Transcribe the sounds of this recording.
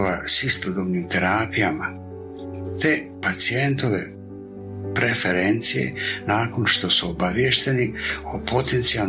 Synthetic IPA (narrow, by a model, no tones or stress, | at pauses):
ʋasist̪od̪obniːmt̪e̞ɾaːpijama | t̪epat̪sie̞nt̪o̞ʋe̞̰ | pɾe̞feɾent̪sije̞̰naːko̞nʃt̪o̞suobaʋjeʃt̪e̞niopʰo̞t̪e̞nt̪sial